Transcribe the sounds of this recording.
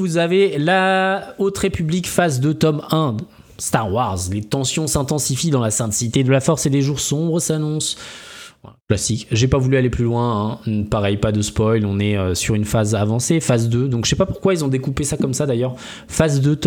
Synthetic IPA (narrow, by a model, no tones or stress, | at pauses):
vuzavelaot̪χepyblikfazd̪ət̪ɔmɛ̃ | st̪aʁwaʁzlet̪ɑ̃sjɔ̃sɛ̃t̪ɑ̃sifid̪ɑ̃lasɛ̃t̪sit̪ed̪əlafɔʁsed̪eʒuʁsɔ̃bʁəsanɔ̃s | klasikʒepavulyaleplylwɛ̃ɛ̃npaʁɛjpad̪əspɔjlɔ̃nɛøsyʁynfazavɑ̃sefazd̪ød̪ɔ̃kʒsɛpapuʁkwailzɔ̃d̪ekupesakɔmsad̪ajœʁ | fazd̪øt̪